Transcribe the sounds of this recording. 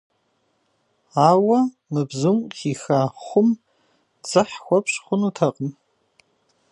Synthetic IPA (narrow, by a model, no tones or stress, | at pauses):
aːwɐ | mɨbzumχixaːχʷʊm | d͡zɨħxʷɔpʰɕχʷʊnutʰɐqʼəm